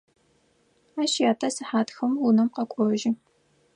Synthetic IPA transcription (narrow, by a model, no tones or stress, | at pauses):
aːʃjaːtʰɐsɨħaːtxɐmwunɐmqɐkʷʼɔʒɪ